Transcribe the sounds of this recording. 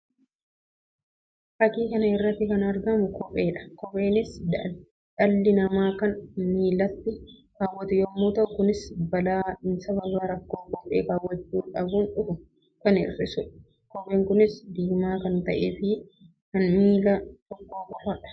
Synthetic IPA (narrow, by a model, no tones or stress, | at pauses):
fɐkiːkɐnɐɪrːɐt̪ːɪkɐnɐɾɡɐmʊkɔpʼeːᶑɐ̥kɔfe̞ːnɪs | ᶑɐlːɪnɐmaːkɐnmiːlɐt̪ːɪkaːwːɐt̪ɪjɔmːoːt̪ɐʔʊkʊnɪsbɐlaːnsɐβɐbaːɾɐkːoːkɔpʼḛːkaːwːɐt͡ʃːuːᶑɐbuːnᶑʊfʊ | kɐnɪ̰rːɪsʊᶑ | kɔpʼeːŋkʊnɪsd̪iːmaːkɐnt̪ɐʔḛːfɪ | kɐnmiːlɐt̪ɔkːoːkʼɔfɐᶑɐ̥